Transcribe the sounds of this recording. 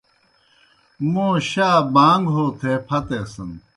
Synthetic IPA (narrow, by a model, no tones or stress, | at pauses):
mõːɕaːbaːŋɡɦoːt̪ʰeːpʰɐt̪eːsɐn